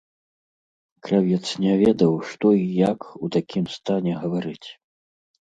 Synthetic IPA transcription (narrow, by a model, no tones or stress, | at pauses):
kɾavʲɛt̪snʲɛvʲɛd̪ɐwʂt̪ɔijakut̪akʲʰimst̪anʲɛɣɐvaɾɨt͡sʲ